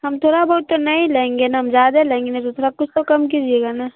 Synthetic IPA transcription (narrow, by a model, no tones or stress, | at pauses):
ɦɐmt̪ʰoːɽabɐɦʊt̪ːonɐĩlẽẽːŋɡenaɦɐmzjaːd̪aleẽːŋɡenat̪ot̪ʰoːɾakʊt͡ʃʰt̪okɐmk̬id͡ʒieːɡana